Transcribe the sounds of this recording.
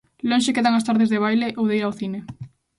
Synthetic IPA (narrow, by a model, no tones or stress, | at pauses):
lonʃekeðaŋast̪aɾðezðeβ̞ajleʔowðeiɾawθine